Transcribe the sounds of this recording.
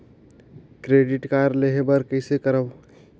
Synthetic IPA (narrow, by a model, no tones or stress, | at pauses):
kɾeːɖɪʈkaɾleɦebəɾkəɪsekəɾəb